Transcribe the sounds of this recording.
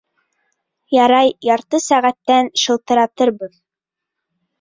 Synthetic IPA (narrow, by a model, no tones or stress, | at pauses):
jɑɾɑjjɑɾt̪ɤsæʁæt̪ːænʃɤ̆lˠt̪ɤ̆ɾɑt̪ɤɾbɤð